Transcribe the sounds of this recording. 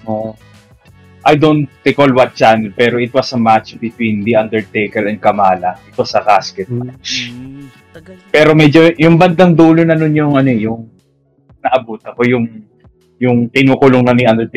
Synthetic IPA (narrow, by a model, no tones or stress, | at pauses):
ʔo | ʔajd̪ont̪ːɪkolwɐt̪̚t͡ʃanlpɛːɾoʔɪt̪̚wɐsɐmat͡ʃbɪt̪wĩnd̪iɐ̃nd̪ɛɹt̪ejkɛlɛnd̪̚kɐmaːlɐʔɪt̪̚wɐsɐɡaskɛt̪̚at͡ʃ | pɛːɾo̞mɛd͡ʒojʊŋbɐnd̪ɐŋd̪uːlonɐnʊnjʊŋɐnojʊŋ | nɐʔɐbuːt̪ɐko̞jʊŋ | jʊŋt̪ɪnuːkʊlʊŋnɐniʔɐnd̪ɛɹt̪